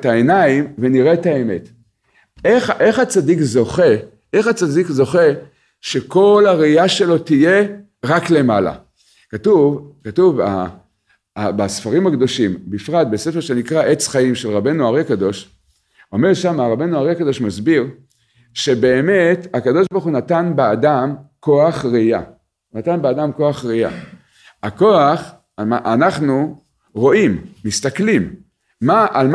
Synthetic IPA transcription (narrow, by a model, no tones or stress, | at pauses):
taenaimveniʁetaeme̞t | eχʔe̞χat͡sadikzo̞χe̞ | eχat͡sadikzo̞χe̞ | ʃe̞ko̞laʁiiaʃe̞lo̞t̪ije̞ | ʁakle̞mala̰ | katuvkatuva̰ | basfaʁimhakd̪o̞ʃimbifʁat̪̚be̞se̞feʃenikʁaʔe̞t͡sχaimʃe̞lʁabe̞nuaʁiakad̪o̞ʃ | o̞me̞ʁʃamaʁabe̞jnuaʁiakad̪o̞ʃmazbiʁ | ʃe̞be̞ːme̞takad̪o̞ʃbaʁχunat̪anbeadamko̞aχʁija̰ | nat̪anbead̪amko̞aχʁia̰ | ako̞aχ | aʔanaχnu | ʁo̞imːist̪aklimː | aʔalm